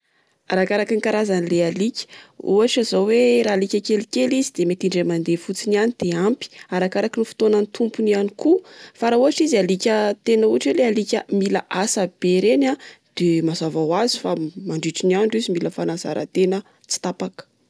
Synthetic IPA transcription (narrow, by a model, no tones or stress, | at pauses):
aɾakaɾakinŋikaɾazanilealikʲə̥ṵaʈ͡ʂazoweɾalikʲəkelikʲelizid̪̥emet̪iɳɖ͡ʐemand̪efut͡sinanid̪̥eampi̥aɾakaɾakinifi̥t̪onanit̪ʰumpunianikufaɾauɦaʈ͡ʂizalikʲət̪enəuaʈ͡ʂwelealikʲəmilaʔasab̥eɾenad̪̥emazavawazi̥famaɳɖ͡ʐiʈ͡ʂiniaɳɖ͡ʐizimiləfanaza̰ɾʔə̰t̪enə | t͡si̥t̪apakə̥